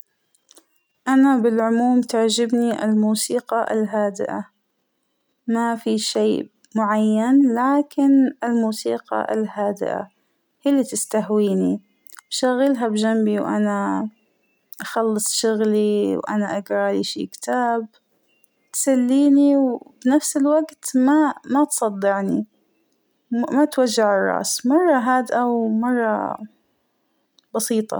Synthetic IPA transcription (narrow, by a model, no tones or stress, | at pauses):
ʔanabɪlʕʊmuːmt̪aʕd͡ʒɪbniʔɪ̰lmuːsiːqɑʔɪ̰lɦaːd̪ɪ̰ʔa̰ | mafiʃeː | mʊʕajːanlaːkɪnɪlmuːsiːqɑ̰ʔɪ̰lhaːd̪ɪ̰ʔa̰ | hilːit̪ɪst̪ahwiːni | bʃaɣːɪlɦabd͡ʒambiwʔa̰na | ʔaxɑlːɨsˤʃʊɣliwʔa̰naʔaɡɾˤɑʔliʃḭːkt̪ʰaːb | t̪salːiːniwbnafsɪlwaɡt̪mamat̪sˤɑd̪ˤːɪʕni | mat̪waʒːaʕɑrˤːɑ̰ːsmɑrˤːɑɦaːd̪ʔawmɑrˤːɑ̰ | bɑsiːt̪ˤɑ̰